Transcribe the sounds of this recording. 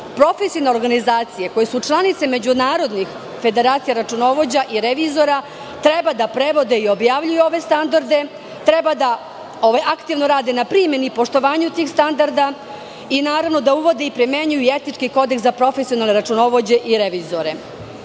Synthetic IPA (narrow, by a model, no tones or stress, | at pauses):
pɾo̞fesioneɾɡanizaːt̪sijeko̞jesut͡ʃlˠanit̪se̞me̞d͡ʑunaːɾo̞d̪nix | fe̞d̪e̞ɾaːt̪sijaɾat͡ʃuno̞ʋo̞d͡ʑaʔiɾeʋizo̞ɾa | t̪ɾebad̪apɾe̞ʋo̞d̪eio̞bjaːʋʎujuo̞ʋe̞st̪and̪aɾd̪e̞ | t̪ɾebad̪a | oʋajakt̪iʋno̞ɾaːd̪enapɾime̞nipo̞ʂt̪o̞ʋaːɲut̪iːxst̪and̪aɾd̪a | inaːɾaʋno̞d̪auʋo̞d̪eipɾime̞ɲujuiet̪nit͡ʂkiko̞d̪eksapɾo̞fesio̞nalˠneɾat͡ʂuno̞ʋo̞d͡ʑe̞ʔiɾeʋizoɾe̞